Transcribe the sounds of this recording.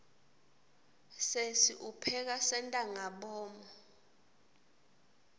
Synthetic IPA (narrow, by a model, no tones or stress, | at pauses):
sesiʔupʰɛk̬asɛntʼaŋaɓɔːmɔ